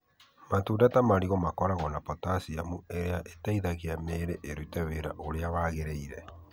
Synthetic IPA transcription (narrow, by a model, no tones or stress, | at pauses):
matuːdatamaɾiɣɔmakɔɾaɣɔnapɔtasiamueɾeaʔetaiðaɣeameːɾeʔeɾutɛweɾa̰ʔoɾeaβaɣeɾeiɾɛ